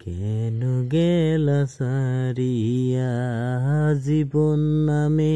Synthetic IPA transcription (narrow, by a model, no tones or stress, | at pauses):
kɛnuɡɛlasaɾiɦjaɦazibonːame